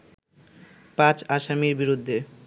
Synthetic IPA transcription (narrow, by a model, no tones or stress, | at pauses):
pãt͡ɕaʃamiɾbiɾud̪ʱːe